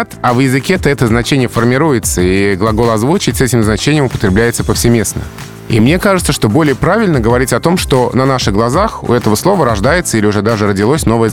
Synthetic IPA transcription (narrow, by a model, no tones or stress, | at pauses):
t̪avjɪzɨkʲet̪əɛt̪əznɐt͡ɕenʲɪjəfərmʲɪɾujɪt̪səiɡlˠɐɡo̞lˠɐzvut͡ɕɪtʲsɛtʲɪmznɐt͡ɕenʲɪjəmʊpət̪ɾʲɪblʲæjɪt̪səpəfsʲɪmʲe̞snə̰ | ḭmnʲe̞kaʐɨt̪səʂt̪o̞bo̞lʲɪjəpɾavʲɪlʲnəɡəvɐɾʲitʲɐt̪o̞mʂt̪o̞nɐnaʂɨɣɡlˠɐzaxʊ̰ɛt̪əvəslˠo̞vəɾɐʐd̪ajɪt̪səilʲɪʊʐɛd̪aʐɨɾədʲɪlˠosʲno̞vəjə